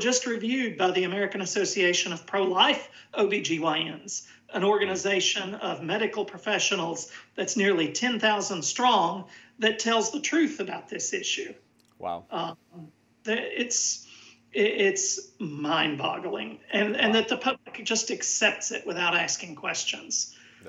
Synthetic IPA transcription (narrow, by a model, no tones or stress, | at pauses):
d͡ʒʌst̚ɹɨvjʉd̚baɪðiɨmɛɹɨkɨ̃nɨsoʊsieɪʃɨ̃nʌv̥pʰɹ̥oʊlaɪf | oʊbid͡ʒiwaɪɨ̃nz̥ | ʔɨ̃ñɔɹɡɨnɨzeɪʃɨ̃nʌvmɛɾɨkl̩ˠpʰɹ̥əfɛʃɨnl̩ˠzðɨtsnɪɹlˠitʰɛ̃nθaʊzə̃nd̥stɹ̥ɔ̃ŋðɨtʰɛlˠzðətʰɹ̥ʉθɨbaʊt̪̚ðɪsɪʃʉ | w̰ | ðɨɪts | ɪɪtsmãɪ̃nbɑ̰ɡl̩ˠɪ̰̃ŋɨ̃nɨ̃nðɨt̪̚ðəpʰʌblɨkd̥ʒ̥ʌstɨksɛp̚tsɨ̰ʔ̚wɨθaʊɾæskɪ̃ŋkʰw̥ɛst͡ʃɨ̃nz̥